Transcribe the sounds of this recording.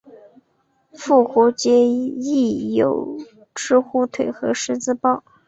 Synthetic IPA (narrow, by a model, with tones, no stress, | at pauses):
fu˥˩xu˧˥t͡ɕjɛ˥i˥˩jo˨˩ʊ | ʈ͡ʂɻ̩˥xu˥˩t̪ʰwe˨˩ɪxɤ˧˥ʂɻ̩˥˧t͡sɹ̩˥˧pɑ˥˩ʊ